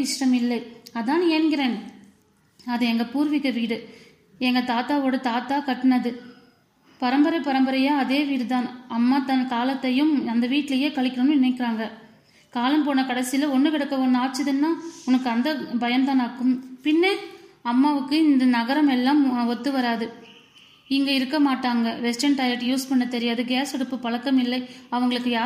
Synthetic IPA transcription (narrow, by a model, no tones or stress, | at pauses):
ɪʂʈɐmɪlːɐɪɐðaːneːnŋɡɪɾeːn | ɐðɯɛŋɡɐpuːɾʋɪkːɐʋiːɽɯ | ɛŋɡɐt̪aːt̪aːoːɽɯt̪aːt̪aːkɐʈːɯnɐðɯ | pɐɾɐmbɐɾɐpɐɾɐmbɐɾɐjaːɐðeːʋiːɽɯt̪aːnɐmːaːt̪ːɐnkaːlɐt̪ːɐjɯmɐnd̪ɐʋiːʈːɪlɐjeːkɐɭɪkːɪɾɐnɯ̃nɪnɐɪkːɪɾaːŋɡɐ | kaːlɐmpoːnːɐkɐɽɐsɪjlɐɔnːɯkɪɽɐkːɐʋɔnːɯaːɾt͡ʃːɪðɯnːaːʊnɐkːɯɐnd̪ɐbɐjɐnt̪ãːnaːkːɯmpɪnːeɐmːaːʋɯkːɯɪnd̪ɐnɐɣɐɾɐmɛlːaːmʋɔt̪ːɯʋɐɾaːðɯ | ɪŋɡɐɪɾɯkːɐmaːʈːaːŋɡɐʋɛsʈɐnʈɐɪɾɐʈːjuːspɐɳːɯt̪ːɛɾɪjaːðɯɡeːsɔɽɯpːɯpɐɭɐkːɐmɪlːɐɪɐʋɐŋɡɐɭɯkːɯjaː